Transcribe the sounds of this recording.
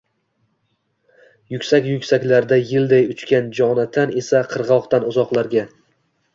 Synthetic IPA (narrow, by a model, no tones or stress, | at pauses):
jʊkʲsakʲjʊkʲsakʲlaɾd̪ajɪld̪ajʊt͡ʃkʲand͡ʒɒnat̪ʰane̞saqʰɨɾʁɒqt̪anʊzɒqlˠaɾɡʲa